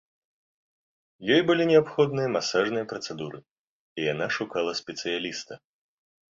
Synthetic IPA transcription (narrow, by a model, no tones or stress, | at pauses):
jɔjbɨlʲinʲɛapxɔd̪nɨjɐmasaʐnɨjɐpɾɐt̪sɛd̪uɾɨ | ijanaʂukalˠɐsʲpʲɛt̪sɨjalʲist̪ɐ